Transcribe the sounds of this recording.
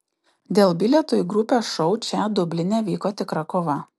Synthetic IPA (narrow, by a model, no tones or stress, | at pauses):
d̪ʲeːlˠbʲɪlʲɛt̪oːjɡɾʊpʲosʃɔʊt͡ʃʲɛd̪ʊbʲlʲɪnʲeːʋʲiːkoːt̪ʲɪkɾɐkoːʋɐ